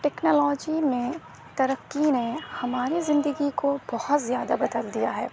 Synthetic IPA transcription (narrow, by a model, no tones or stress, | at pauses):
ʈɛːknɔːlɔːd͡ʒimẽ | t̪ɐɾəkːinehɐmaːɾizɪ̃nd̪əɡikobɔhʊt̪zjaːd̪abɐd̪əld̪ija̰ɦɛ̰ː